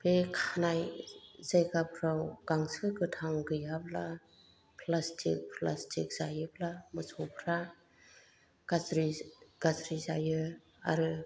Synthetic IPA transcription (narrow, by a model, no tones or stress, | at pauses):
pʰekʰanajzajkapʰɾawɡ̥aŋsɯkɯtʰaŋɡɯjapla | pʰlastʰḭk̚pʰlastʰik̚z̥ajɯpʰlamɯsʰɔpʰɾa | ɡ̥azɾiɡ̥azɾizajɯ | a̰ɾɯ